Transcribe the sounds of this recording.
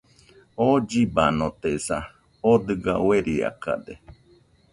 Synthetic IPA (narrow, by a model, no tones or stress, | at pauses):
od͡ʒibanot̪esa | od̪ɨɡaweɾia̰ka̰d̪e